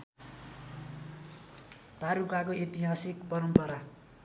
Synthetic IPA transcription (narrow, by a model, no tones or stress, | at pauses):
t̪aɾukakoʔet̪iɦasikpʌɾʌmpʌɾa